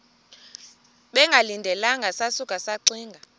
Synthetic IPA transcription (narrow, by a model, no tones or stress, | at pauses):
ɓɛŋɡʱalindʱɛlaŋɡʱasasukʼasaǀiːŋɡʱa